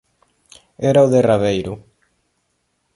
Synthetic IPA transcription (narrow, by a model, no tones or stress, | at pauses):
ɛɾauðeraβejɾʊ